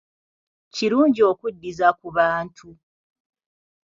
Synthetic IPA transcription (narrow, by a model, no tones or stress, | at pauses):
ciɾuːɲɟio̞ːkudːizakuβaːntʰu